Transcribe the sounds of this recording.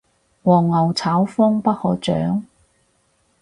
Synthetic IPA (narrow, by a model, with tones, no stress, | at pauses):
wɔː˨˩ŋːɐ˨˩wt͡sʰaː˨˥wfɔː˥ŋpɐ˥t̚hɔː˨t͡ʃœ̰ː˨˥ŋ